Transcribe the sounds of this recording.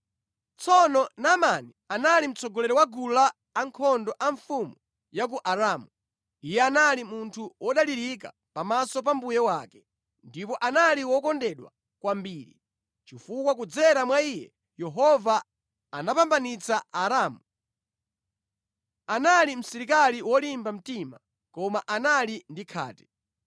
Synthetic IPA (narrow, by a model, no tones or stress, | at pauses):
t͡sɔnɔnaːmanianalim̩t͡sɔɡɔlɛɾɔwaɡulaː | ŋkʰɔndɔʔaɱfumu | jak̬uʔaɾaːmu | ijɛanalimuntʰuwʔɔɗaliɾik̬a̰ | pamasɔp̬ambujɛwaːkɛ̥ | ndipɔʔanaliwɔkɔndɛɗwa̰ | kwambiːɾḭ | t͡ʃifukwak̬ud͡zɛɾamwaijɛ | jɛɦɔvaː | napambanit͡saːɾaːmu | analim̩sɛɾikaliwɔlimbam̩tima | kɔmaʔanalindikʰa̰ːtɛ̥